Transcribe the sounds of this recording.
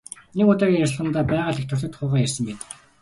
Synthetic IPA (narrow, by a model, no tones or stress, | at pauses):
nekʊt̪aːɣʲiːŋjarɮʁə̆nt̪aːpæːʁaːɮekt̪ʰʊrt̪ə̆t̪χʊːʁaːjærsə̆mpeːt̪ə̥̆k